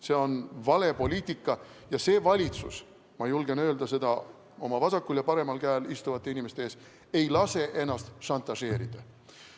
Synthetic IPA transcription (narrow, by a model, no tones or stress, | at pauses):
se̞o̞nvɑle̞po̞lʲiːt̪ˑikˑːɑ | jɑse̞ːvɑlʲit̪sus | mɑjulɡe̞nø̞ːld̪ɑse̞d̪ɑ | o̞mɑvɑsɑkːuljɑpɑɾe̞mɑlkæːlist̪uvɑt̪ˑːe̞inimest̪eeːs | e̞jlɑse̞ʔe̞nːɑst̪ʃɑnt̪ːˑɑse̞ːɾid̪̥ɑ